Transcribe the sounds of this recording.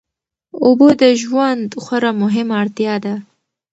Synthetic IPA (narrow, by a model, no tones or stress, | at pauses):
obod̪əʒwand̪xwaɾamʊɦɪmaɽt̪jɑd̪a